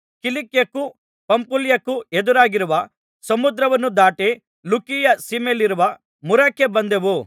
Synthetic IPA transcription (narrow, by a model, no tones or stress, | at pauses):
kilikjɐkːu | pɐmpuljɐkːued̪uɾaːɡiɾuʋɐ | sɐmud̪ɾɐʋɐnːud̪aːʈe | lukijɐsimeliɾuʋɐ | muɾɐkːe̞bɐnd̪eʋu